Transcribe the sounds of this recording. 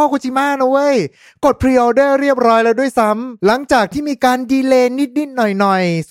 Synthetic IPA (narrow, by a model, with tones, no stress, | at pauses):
ɔː˥˩ku˧t͡ɕʰi˧˥maː˥˩na˧˥wə˧˥˨j | ko˨˩t̪̚pʰɾi˧˩˨dɤː˥˩ɾi˥˩əp̚ɾɔː˦˥jlɛː˦˥wdu˥˩əjsa˦˥mla˩˦ŋt͡ɕaː˨˩k̚t̪ʰiː˥˩miː˧kaː˧ndiː˧leː˧ni˦˥t̪̚ni˦˥˩t̪̚nɔ˨˩jnɔ˨˩j